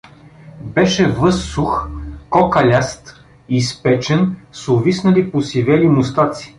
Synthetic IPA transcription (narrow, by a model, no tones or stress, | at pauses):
bɛʃɛvɤsːuxkɔkɐlʲast̪ | ispɛt͡ʃɛnsʊvisnɐliposivɛlimʊst̪at̪si̥